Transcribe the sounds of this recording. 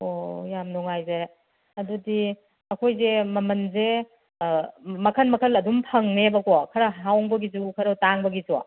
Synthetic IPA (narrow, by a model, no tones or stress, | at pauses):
ojamnɔŋajze | ɐdudi | ɐkʰojzemɐmɐnze | mɐkʰɐnmɐkʰɐlɐdumpʰɐŋnebɐkɔkʰɐɾɐɦawŋbɐɡizukʰɐɾɐtaŋbɐɡizuwa̰